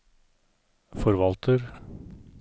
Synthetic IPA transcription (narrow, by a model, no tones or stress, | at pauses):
fɔɾʋɑlt̪ʰəɾ